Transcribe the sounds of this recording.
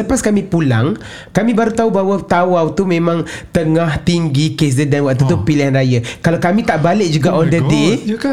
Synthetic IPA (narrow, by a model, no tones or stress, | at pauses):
əpaskamĩpulaŋ | kamĩbaɾut̪aubaɦwət̪awawt̪umẽmãŋt̪əŋaht̪iŋɡikes̬dədanwaʔ̚t̪ut̪upiliɦanɾajakalakamĩt̪aʔbalɪʔ̚d͡ʒuɡaʔɔndəde